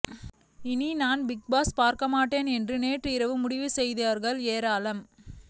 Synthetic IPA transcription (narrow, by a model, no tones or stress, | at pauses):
ɪninaːnbɪk̚baːspaːɾkɐmaːʈːeːnɛndrɯneːʈrɯɪɾɐʋɯmʊɽɪʋɯsɛjðɐɐɾɣɐɭeːɾaːlɐm